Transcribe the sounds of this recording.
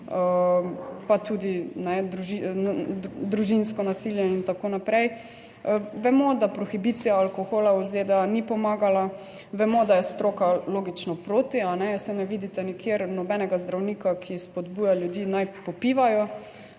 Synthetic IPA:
ə | pat̪ud̪inɛd̪ɾuʒi | d̪ɾuʒinskɔnasiljɛint̪akoːnapɾɛj | ʋɛmɔd̪apɾɔxibit̪sijaːlkoxoːlauzed̪ɛanipɔmaːɡala | ʋɛmɔd̪ajɛst̪ɾoːkaloːɡit͡ʃnɔpɾoːt̪ianɛsɛnɛʋiːd̪it̪ɛnikʰjeɾnɔbɛnɛɡazd̪ɾawniːkakʰispɔd̪buːjaljud̪iːnajpɔpiːʋajɔ

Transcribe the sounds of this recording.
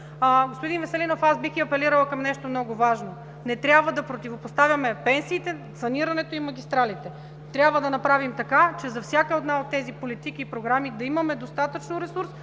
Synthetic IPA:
ɡospod̪invɛsɛlinofasbixiɐpɛliɾəlˠkɐmnɛʃt̪omnɔɡʊvaʒno | nɛt̪ɾʲabvɐd̪ɐpɾot̪ivopost̪avʲjɐmɛpɛnsiːt̪ɛsɐniɾɐnɛt̪oimɐɡʲist̪ɾalit̪ɛ | t̪ɾʲabvəd̪ɐnɐpɾavimt̪ɐkat͡ʃɛzɐfsʲjakəod̪naot̪ːɛzipolit̪ikiːpɾoɡɾamid̪ɐimɐmɛd̪ost̪at̪ət͡ʃnoɾɛsuɾs

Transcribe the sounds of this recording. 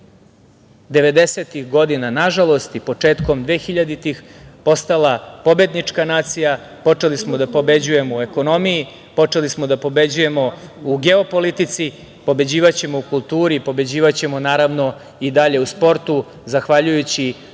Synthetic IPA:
d̪e̞ʋe̞d̪e̞set̪ixɡo̞d̪inanaʒalˠo̞st̪ipo̞t͡ʂe̞ːt̪ko̞md̪ʋe̞ːxiʎad̪it̪ixpo̞st̪alˠapo̞be̞d̪nit͡ʂkanaːt̪sija | po̞t͡ʂe̞lismo̞d̪apo̞be̞d͡ʑuje̞moue̞ko̞no̞miji | po̞t͡ʂe̞lismo̞d̪apo̞be̞d͡ʑuje̞mo̞uɡe̞o̞po̞lit̪it̪si | po̞be̞d͡ʑiːʋat͡ɕe̞mo̞ukulˠt̪uːɾipo̞be̞d͡ʑiːʋat͡ɕe̞mo̞naːɾaʋno̞ | id̪aʎe̞uspo̞ɾt̪u | zaxʋaʎujut͡ɕi

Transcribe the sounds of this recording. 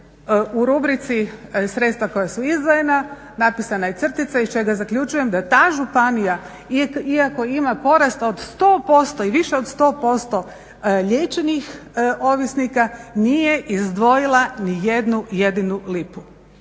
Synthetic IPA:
uɾubɾit̪sisɾet̪st̪ʋako̞jasuizd̪ʋojena | napisanajet̪sr̩t̪it̪saist͡ʃe̞ɡazakʎʲut͡ʃuje̞md̪at̪aːʒupanija | iiako̞imapo̞ɾast̪o̞d̪st̪oːpo̞st̪o̞iʋiʃe̞o̞d̪st̪o̞ːpo̞st̪o̞ | ʎet͡ʃenixʔo̞ʋisnikanije̞ʔizd̪ʋo̞jilˠanije̞d̪nuje̞d̪inulipu

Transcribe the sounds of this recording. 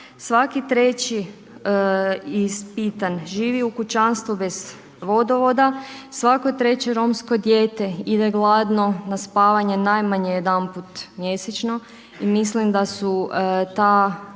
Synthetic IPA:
sʋakit̪ɾe̞t͡ɕi | ispit̪anʒiːʋiukut͡ɕanst̪ʋube̞z̥ | ʋo̞d̪oʋo̞d̪asʋakot̪ɾe̞t͡ɕeɾo̞mskod̪je̞ːt̪e̞id̪e̞ɡlˠad̪no̞naspaːʋaɲe̞najmaɲejed̪anput̪mje̞set͡ɕno̞ | imislimd̪asut̪a

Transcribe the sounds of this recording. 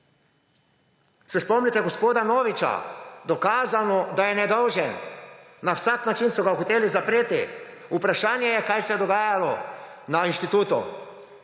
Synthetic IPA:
sɛspɔmnit̪ɛɡɔspoːd̪anoːʋit͡ʃa̰d̪ɔkaːzanɔd̪ajɛnɛd̪ɔwʒɛn | nawsaknat͡ʃinsɔɡaxɔt̪eːlizapɾeːt̪i | upɾaʃaːnjɛjɛkaːjsɛd̪ɔɡaːjalɔ | nainʃt̪it̪uːt̪ṵ

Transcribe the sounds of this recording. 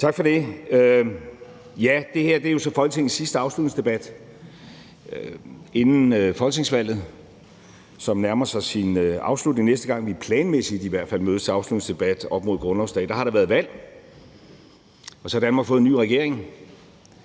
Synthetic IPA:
t͡sʰɑ̈ɡ̥fɒde̝ø | jæd̥e̝heɐ̰d̥eɐjo̝sɒ̽fɒ̽lɡ̥ət͡sʰe̝ŋ̰sisd̥əɑ̈ʊslud̥ne̝ŋsd̥e̝b̥æd̥ | e̝nn̩øfɒ̽lɡ̥t͡sʰe̝ŋsʋæl̰ð̞̩ˠ | sɒ̽mnæɐmɐsɑ̈ɪsinɑ̈ʊslud̥neŋnesd̥əɡ̥ɑ̈ŋ̰ʋipʰlɛːnmesid̥iʋæɐ̰d̥fæl̰møːðˠɐ̥t͡sʰe̝ɑ̈ʊslud̥neŋsd̥e̝b̥æd̥ɒ̽b̥mo̝ðˠɡ̥ʁɔ̽nɒʊsd̥ɛ̰d̥ɑ̈hɑ̈ɾɑ̈ʋæɐðˠʋæl̰ | ɒsɒhɑɾ̥ænmɑ̈ɡ̥fɔ̽ːð̩ˠny̰ːʁɛɡ̥e̝ɐ̰eŋ

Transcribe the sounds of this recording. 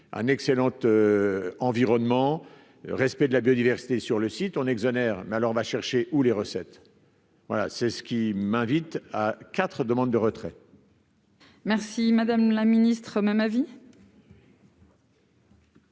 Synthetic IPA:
ɛ̰̃nɛkselɑ̃t̪øɑ̃viʁɔnmɑ̃ | ʁɛspɛd̪əlabjod̪ivɛʁsi̥t̪esyʁləsit̪ɔ̃nɛɡzɔnɛʁmɛalɔʁɔ̃vaʃɛʁʃeʔuleʁəsɛt̪ | vwa̰la̰sɛsə̥kʲimɛ̃vit̪akʲat̪χəd̪əmɑ̃d̪̚d̪əʁət̪χɛ | mɛʁsimad̪amlaminist̪χəmɛmavi

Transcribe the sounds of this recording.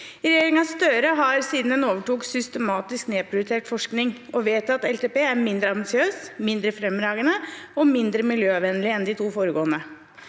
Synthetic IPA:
ɾɛjeːɾɪŋɑst̪œːɾəɦɑɾsiːd̪n̩d̪ɛnoːʋəʈuːksʏst̪əmɑːt̪ɪskneːpʰɾʊjɪt̪ʰeːʈfɔʂknɪŋʔɔʋeːt̪ɑt̪ɛlt̪eːpeːæɾmɪnd̪ɾəɑmbɪsɪøːsmɪnd̪ɾəfɾɛmɾɑːɡənəɔmɪnd̪ɾəmɪljøːɑʋɛnəlɪɛnd̪ɪt̪ʰuːfoːɾəɡoːənə

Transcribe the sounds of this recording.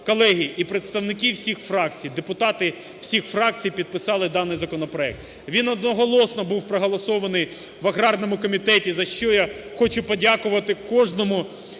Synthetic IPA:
kɔlˠɛɦʲiipɾet̪st̪ɐwnɪk̬ʲiwsʲixfɾɑkt͡sʲijd̪epʊt̪ɑt̪ɪ | w̥sʲixfɾɑkt͡sʲijpʲid̪̚pɪsɑlˠɪd̪ɑnɪjzɐkɔnɔpɾɔɛk̚t̪ | ʋʲinɔd̪nɔɦɔlˠɔsnɔbuwpɾɔɦɔlˠɔsɔʋɐnɪj | ʋɐɦɾɑrnɔmʊkɔmʲit̪ɛtʲizɐʃt͡ʃɔja | xɔt͡ʃʊpɔdʲakʊʋɐt̪ɪkɔʒnɔmʊ

